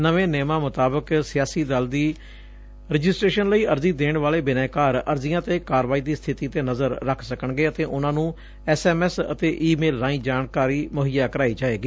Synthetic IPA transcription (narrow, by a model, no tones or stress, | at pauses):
nəʋẽːneːmãːmʊt̪aːbəksɪjaːsiːd̪əld̪iː | ɾɪd͡ʒɪsʈɾeːʃənləiːəɾziːd̪eːɳʋaːleːbɪnɛ̃ːkaːɾəɾzɪjãːt̪eːkaːɾʋaːiːd̪iːst̪ʰɪt̪iːt̪eːnəzəɾɾəkʰsəkəɳɡeːət̪eːʔʊnãːnũː | ɛːsɛːmɛːsə̰t̪eːʔiːmeːlːãːĩːd͡ʒaːɳkaːɾiːmʊɦɪjaːkəɾaːiːd͡ʒaːeːɡiː